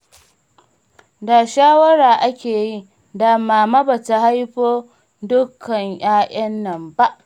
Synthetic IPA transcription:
da˨ʃaː˦wɐ˦ɽaː˨ʔa˦kʲeː˨ji˦ | da˨maː˨ma˦bɐ˨ta˨ha˦jɸoː˦ | dʊ˦kʰːɐ˨ɲj̰aː˦ʔɐ˦nːɐ˨mba˦ʔ

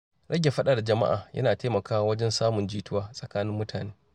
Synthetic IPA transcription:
ɽʔɐ˦ɡʲe˨ɸɐ˦ɗa˨ɽa˨d͡ʒɐ˨ma̰˦ʔa̰ː˨jʔɐ̰˦naː˨teː˦mɐ˨kaː˦wa˦wɐ˦d͡ʒɛ˦nsaː˦mʊ˨nd͡ʒiː˦tʊ˦waː˦sʼɐ˨kaː˦nɪ˦mːʊ˦tʰaː˨neː˦

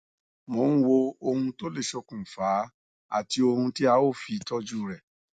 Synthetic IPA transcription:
mõ˨˦wo˧o˧hũ˧to˦le˦˨ʃɔ˧kũ˨fa˨˦ | a̰˦˨ti˧o˧hũ˧ti˦a˧˦o˦˨fi˧tɔ˦d͡ʒu˦ɾɛ˨

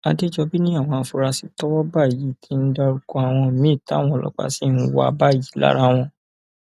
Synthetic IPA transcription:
a˧de˦d͡ʒɔ˧bi˦nĩ˦a˦˨w̃ɔ̃˧a˧˨fu˧ɾa˧si˧tɔ˦wɔ˦ba˦˨ji˨˦˨tʰi˧˦n̩˦da˧ɾu˧kɔ˧a˨w̃ɔ̃˧˨mĩ˨˦˨ta˨˦w̃ɔ̃˧˦˧lɔ̰˦k͡pa̰˦˧˨si˦n̩˦wa̰˨ba˦˨ji˨˦la̰˦ɾa˦w̃ɔ̃˧

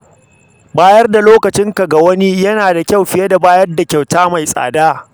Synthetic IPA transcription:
baː˦jɐ˦rda˨loː˦kɐ˨t͡ʃɪ˦ŋka˨ɡa˨wɐ˦ni˦jɐ˦naː˨da˨kʲa˦˨wɸɪ˦je˦da˨baː˦jɐ˦rda˨kʲa˨wtaː˦ma˨jsʼa̰ː˨daː˦

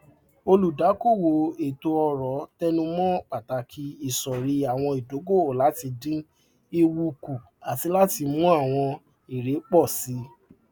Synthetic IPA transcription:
o˧lu˨da˨˦ko˦˨wo˨˦e˨to˧ɔ˧ɾɔ˨˦tɛ˦nũ˧mɔ̃˦k͡pa˨ta˨˧˦kʰi˧˦i˨sɔ˨ɾi˧˦a˨w̃ɔ̃˧i˨do˨˦ɡo˦˨la˨˦ti˧dĩ˦ | i˧wu˧ku˨ | a˨ti˧la˦ti˧mũ˦a˦˨w̃ɔ̃˧ | i˨ɾe˨˦k͡pɔ˦˨si˨˦

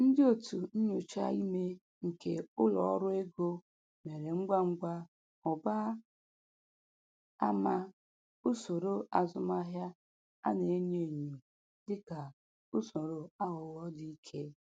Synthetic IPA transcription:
n̩˦dɪ˦o˨tu˨n̩˦ɲo˨t͡ʃa̰˦i˦me˦ | ŋ̩˨ke˨ʊ˦lɔ̰˨ɔ˦ɾʊ˦e˦ɡo˦ | me˨ɾe˨ŋ͡m̩˦ɡ͡bʷa˦ŋ͡m̩˦ɡʷa˦ | ʊ˨ba˦ | a˦ma˦ | u˦so˨ɾo˦a˨zʊ˨ma˦ɦja˦ | a̰˦ne˨e˦ɲe˨ɲu˨ | dɪ˦ka˨ | ʊ˦so˨ɾo˦a˦ɣʊ˨wɔ˦di˦i˦kʰe˦

